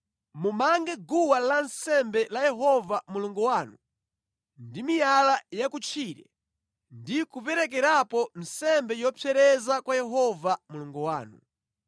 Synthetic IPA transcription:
mumaŋɡɛɡuwalansɛmbɛlajɛɦɔvamuluŋɡɔwaːnu | ndimijalajakut͡ʃʰiːɾɛ̰ | ndikupɛɾɛk̬ɛɾapɔn̩sɛmbɛjɔpʰɛɾɛzakwajɛɦɔvamuluŋɡɔwa̰ːnu

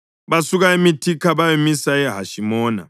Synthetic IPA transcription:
βasuɣaemitʰikʰaβajemisaɛɦaʃimɔːna̰

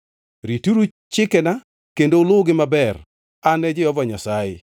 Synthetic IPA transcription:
ɾituɾu | t͡ʃɪkɛna | kendolʊɡɪmabɛr | anɛd͡ʒɪɔvɔɲasajɪ̰

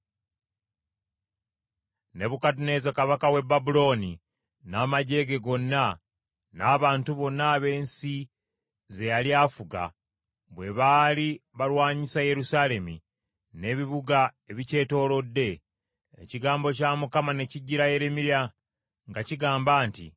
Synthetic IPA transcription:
ne̞βukat̬une̞ːzakaβakawe̞babulo̞ːni | naːmaɟe̞ɡe̞ɡo̞nːa | naːβaːntuβo̞nːaːβe̞ːnsi | ze̞jaliaːfuɡa̰ | βwe̞βaːliβaɾwaːɲisaje̞ɾusale̞mḭ | ne̞βiβuɡaeβice̞ːto̞ːlo̞dːe̞̰ː | ciɡaːmbo̞camukamane̞ciɟːiɾaje̞ɾemiɾja | ŋɡaciɡaːmbaːntḭ

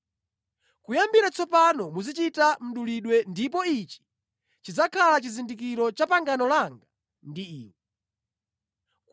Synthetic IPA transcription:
kujambiɾat͡sɔpanɔmuzit͡ʃitam̩ɗuliɗwɛndip̬ɔit͡ʃi̥ | t͡ʃid͡zakʰalat͡ʃizindikiɾɔt͡ʃapaŋɡanɔlaŋɡa | ndiiːwɛ | k

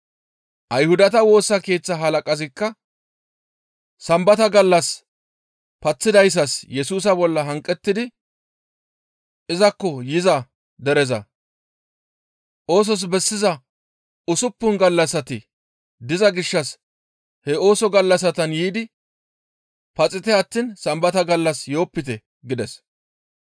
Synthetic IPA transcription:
ʔɐjhʊd̪ɐt̪ɐwo̞ːsːɐke̞ːt͡sːɐɦɐlɐkʼɐzɪkːɐ | sɐmbɐt̪ɐɡɐlːɐs | pɐt͡sːɪd̪ɐjs̬ɐsjɛsuːs̬ɐbɔlːɐɦɐŋkʼːɛt̪ːɪd̪ɪ | ɪzɐkːɔjɪzɐ | d̪ɛɾɛzɐ̰ | ʔo̞ːs̬ɔs̬bɛsːɪzɐ | ʊsʊpːʊnɡɐlːɐsɐt̪ɪ | d̪ɪzɐɡɪʃːɐs | hɛo̞ːsɔɡɐlːɐs̬ɐt̪ɐnjiːd̪ɪ | pɐt͡sʼɪt̪ɛɐt̪ːiːnsɐmbɐt̪ɐɡɐlːɐsjo̞ːpːɪt̪ɛ | ɡɪd̪ɛs

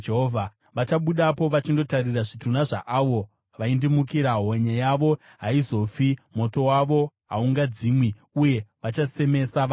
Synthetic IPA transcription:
d͡ʒeɦovʱa | ʋat͡ʃaɓuɗapo̞ʋat͡ʃindo̞tariraʐitunaʐa̰ʔaʋo̞ | ʋaindimukiɾaɦoɲajaʋo̞ | ɦaizo̞fimo̞to̞waʋo̞ɦa̰uŋɡad͡zimwi | uje̞ʋat͡ʃase̞me̞sa

